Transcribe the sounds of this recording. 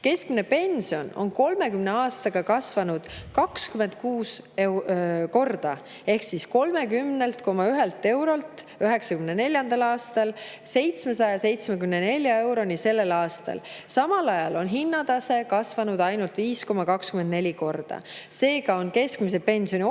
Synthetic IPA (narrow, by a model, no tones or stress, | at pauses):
ke̞skmine̞pe̞nʲsio̞no̰nko̞lme̞kymne̞ɑːst̪ɑɡ̥ɑkɑsvɑnud̪̥kɑkskyme̞nd̪̥̚kuːs | eko̞rd̪̥ɑ | e̞hksisko̞lme̞kymne̞lt̪ko̞mɑyɦe̞lt̪ˑːe̞wɾo̞lt̪ˑ | yɦe̞ksɑkymnene̞lʲjɑnd̪̥ɑlɑːst̪ɑlse̞jt̪smesɑjɑse̞jt̪smekymnene̞lʲjɑe̞wɾo̞nʲise̞lːe̞lɑːst̪ɑ̰lsɑmɑlɑjɑlo̞nɦinːɑd̪ɑse̞kɑsvɑnud̪ɑjnult̪viːsko̞mɑkɑkskymend̪̚ne̞lʲiko̞rd̪̥ɑ̰se̞ːɡɑo̞nke̞skmis̬epe̞nʲsio̞nʲi